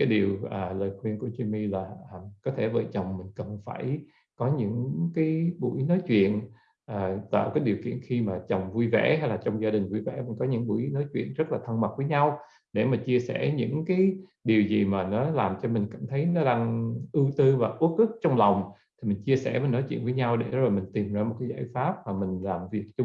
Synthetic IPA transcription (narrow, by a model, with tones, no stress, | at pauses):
kaː˨˦jɗi˨˩əwʔaː˨˩ləː˨˩jxwi˧nku˧˩ət͡ɕwi˧mi˧laː˨˩ʔːmkɔ˨˦t̪ʰe˧˩və̰ː˧˨˩jt͡ɕə˨˩wŋ͡mmï˨˩ŋ̟kə˨˩nfaː˧˩j | kɔ˨˦ɲɨ̰˧˥ŋkaː˨˦jɓṵ˧˩jnɔ˨˦jt͡ɕwḭ˧˨ən | ʔaː˨˩t̪ə̰ː˧˨kaː˨˦jɗi˨˩əwkḭ˧˨ənxi˧maː˨˩t͡ɕə˨˩wŋ͡mvu˧jvɛ̰˧˩ha˧jlaː˨˩t͡ɕɔ˧wŋ͡mzaː˧ɗï˨˩ŋ̟vu˧jvɛ̰˧˩mi˨˩nkɔ˨˦ɲɨ̰˧˥ŋɓṵ˧˩˨jnɔ˨˦jt͡ɕwḭ˧˨ənzt̚laː˨˩t̪ʰə˧nma˨˩k̚vəː˨˦jɲa˧w | ɗe˧˩maː˨˩t͡ɕi˧əsɛ̰˧˩ɲɨ̰˧˥ŋkaː˨˦j | ɗi˨˩əwzi˨˩maː˨˩nɔ˨˦laː˨˩mt͡ɕɔ˧mi˨˩ŋ̟ka̰ː˧˩mt̪ʰə˨˦jnɔ˨˦ɗa˧ŋʔɨ˧t̪ɨ˧vaː˨˩ʔu˦˥k̚ʔɨ˦˥k̚t͡ɕɔ˧wŋ͡mla˨˩wŋ͡m | t̪ʰi˨˩mï˨˩ŋ̟t͡ɕi˧əsɛ̰˧˩mə˨˩˦nɔ˨˦jt͡ɕwi˧˨nvəː˨˦ɲa˧wɗe˧˩zə˦˥laː˨˩mï˨˩ŋ̟t̪i˨˩mzaː˧m˨˩t̚kaː˨˦jza̰ː˧˩jfaː˦˥p̚maː˨˩mï˨˩ŋ̟laː˨˩mvi˨˩ək̚t͡ɕʊ˧